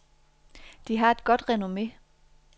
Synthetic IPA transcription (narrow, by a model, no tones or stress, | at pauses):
d̥iɦɑ̈e̝d̥ɡ̥ɒ̽d̥ʁɛno̝me̝